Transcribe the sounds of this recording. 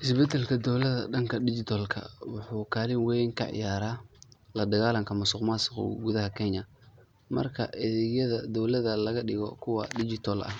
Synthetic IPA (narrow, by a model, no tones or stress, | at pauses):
ʔɪsbɛt̪ʰɛlkʰɐd̪ɔwlɐðɐ̰ɖɐŋkʰɐɖɪt͡ʃɪt̪ʰɔlkʰɐ̰wʊħuːkʰaːlɪnwɛjŋkʰɐ̰ʕɪ̰jaːɾaːlɐd̪ɐɣaːlɐŋkʰɐmʊsʊqmasqʊ̰ɡuðɐɦɐkʰɛɲɐ | mɐ̰rkʰɐ̰ʔɛðɛɣjɐðɐd̪ɔwlɐðɐlɐɣɐɗɪɣɔ̰kʰʊwɑ̰ɖɪd͡ʒɪt̪ʰɔlʔɐ̰h